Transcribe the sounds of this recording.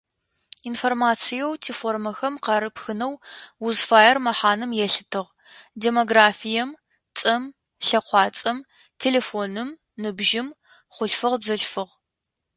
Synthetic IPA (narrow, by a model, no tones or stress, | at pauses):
informaːt͡sʰijɛwtʰifoːrmɐxɐmqɑɾɨpxɨnɐwwuzfaːjɐrmɐħaːnɨmjɛɬɨ̥tʰɨʁ | deːmoɡraːfijɛm | t͡sʼɐm | ɬɐqʷɑːt͡sʼɐm | tʰeːleːfoːnɨm | nɨbʒɪm | χʷʊɬfɨʁbzɐɬfɨʁ